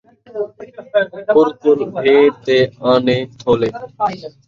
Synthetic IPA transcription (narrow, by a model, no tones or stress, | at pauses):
ʊɾt̪ʊlbʱeːt̪eːaːnẽːt̪ʰoːleː